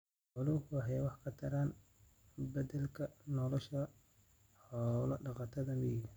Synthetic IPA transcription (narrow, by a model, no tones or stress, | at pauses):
ħʊlʊwɑħɛjwɑħkʰɐt̪ʰɐɾaːn | bɐdɛlkʰɐnɔlɔʃɐ | ħɔːlɐɖɑqɑt̪ʰɐðɐmɪji